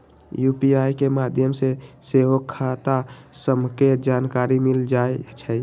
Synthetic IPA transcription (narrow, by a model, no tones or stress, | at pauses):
jupiajkemad̪ʱjəmseseɦokʰːat̪asəmket̪̚d͡ʒankaɾimild͡ʒaet͡ʃʰə